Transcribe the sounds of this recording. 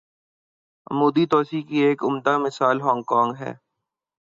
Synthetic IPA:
muːd̪it̪ɔːsikieːkʊmd̪amɪsaːlɦɔ̃ːŋɡkɔ̃ːŋɡɦɛ̰ː

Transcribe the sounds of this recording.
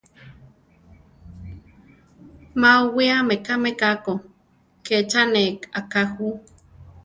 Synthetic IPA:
mawiamekamekako | ket͡ʃanekakahu

